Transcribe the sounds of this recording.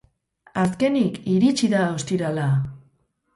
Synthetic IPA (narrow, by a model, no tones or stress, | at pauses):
as̬ke̞nikiɾit͡ʃiðaost̪iɾala